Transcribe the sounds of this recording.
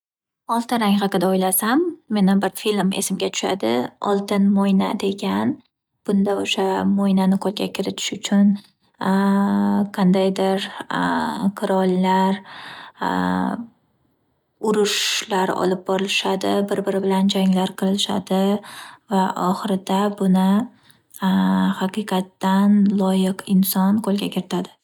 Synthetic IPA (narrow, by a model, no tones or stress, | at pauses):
ɒlˠt̪ɪɾaŋɦɑqɨd̪aɒjlasamːe̞nɪbɪɾfilme̞̰sɪmɡʲat̪ʰʊ̥ʃa̰d̪ɪ̰ɒ̰lˠt̪ɪnmojnad̪e̞ɡʲan | b̥ʊnd̪aoʃamojnanɪqʰolˠɡʲa̰kʲʰɪɾɪt̪ʰɪ̥ʃʊt͡ʃʰʊn | qʰɑnd̪ajd̪ɪɾ | kʰɪɾɒlːaɾ | ʊɾʊʃlaɾɒ̰lɪp̚bɒɾɪlɪʃad̪ɪbɪɾbɪɾɪbɪland͡ʒaŋlaɾqʰɨɾɪlɪʃa̰d̪ɪvaʔɒχɨɾɪd̪abʊnɪ | hɑqʰɨqʰɑt̪ːanlˠɒjɪqʰɪnsɒnqʰolˠɡʲakʲʰɪɾɪt̪ʰad̪ɪ̥